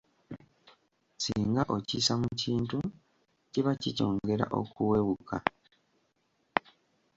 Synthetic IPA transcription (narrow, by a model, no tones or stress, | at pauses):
siːŋɡaʔocisamuciːntu | ciβacico̞ːŋɡe̞ɾa̰ʔo̞̰kuweβukʰa